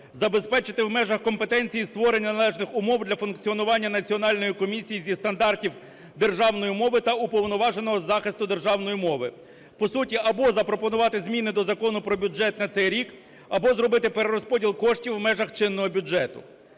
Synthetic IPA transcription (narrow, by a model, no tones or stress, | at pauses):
zɐbe̞spɛt͡ʃɪt̪ɪwmɛʒɐxkɔmpe̞t̪ɛnʲt͡sʲijist̪ʋɔɾenʲnnɐlˠɛʒnɪxʊmɔwd̪lʲɐfʊnkt͡sʲiɔnʊʋɑnʲːɐnɐt͡sʲiɔnɑlʲnɔjikɔmʲisʲijizʲist̪ɐnd̪ɑrtʲiw | d̪e̞rʒɑwnɔjimɔʋɪt̪ɐʊpɔwnɔʋɑʒenɔɦɔzɑxɪst̪ʊd̪e̞rʒɑwnɔjimɔʋɪ | pɔsutʲiɐbɔzɐpɾɔpɔnʊʋɑt̪ɪzmʲinɪd̪ɔzɐkɔnʊpɾɔbʲud͡ʒɛt̪nɐt̪sɛjɾʲik | ɐbɔzɾɔbɪt̪ɪpeɾeɾɔspɔdʲilˠkɔʃtʲiwmɛʒɐxt͡ʃɪnːɔɦɔbʲud͡ʒɛt̪ʊ